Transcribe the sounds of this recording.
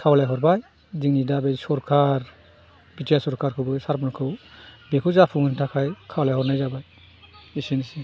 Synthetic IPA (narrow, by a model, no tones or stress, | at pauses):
kʰawlajɦɔɾbaj | diŋnidabejsɔɾkʰaɾ | b̥itʰijasɔɾkʰaɾkʰɯbɯsaɾbɯnkʰɯwbekʰɯwzapʰuŋɯntʰakʰajkʰawlajhɔɾnajzabaj | isinisi